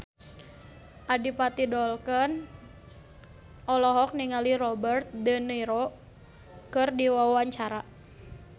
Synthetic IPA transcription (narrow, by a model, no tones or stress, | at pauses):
ʔadipat̪idɔlkən | ʔɔlɔɦɔk̚niŋaliɾɔbərt̪̚dənəiɾo | kərdiwawaɲt͡ʃaɾa